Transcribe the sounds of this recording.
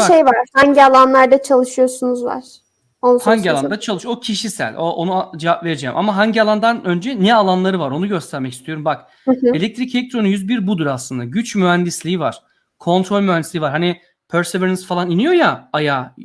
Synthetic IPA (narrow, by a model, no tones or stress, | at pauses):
ʃejvaɾhaɲɟialˠanlˠaɾd̪at͡ʃʰalˠɯʃɯjo̞sunuzva̰ɾ̥ | onhaɲɟialˠand̪at͡ʃʰalˠɯʃocʰiʃisæ̰lʲoʔonuad͡ʒevapve̞ɾed͡ʒḛːmʔa̰maɦaɲɟialˠand̪anø̞nd͡ʒɛnɛalˠanlˠaɾɯvaɾo̞nuɟø̞st̪ʰæɾmɛci̥st̪ʰijo̞ɾumbak | elʲɛk̚t̪ʰɾicʰelʲek̚t̪ʰɾo̞nujyzbiɾbud̪uɾaslˠɯnd̪aɟyt͡ʃmyɦænd̪islʲiːiva̰ɾ̥ | kʰo̞nt̪ʰɾo̞lʲmyɦænd̪islʲiːvaɾɦani | pʰøɾseveɾinizfalˠaninijo̞jaajaː